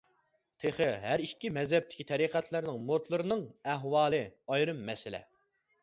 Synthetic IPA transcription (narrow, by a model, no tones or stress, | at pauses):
t̪ʰeχɪɦæɾiʃkʲimɛzhɛp̚t̪ʰɪ̥kʲʰi̥t̪ʰɛɾiqʰæt̪ʰlɪɾnɪŋmoɾt̪lˠɨɾɨnɨŋæɦwɑːlˠɨɑjɾɨmːɛsɪlɛ̰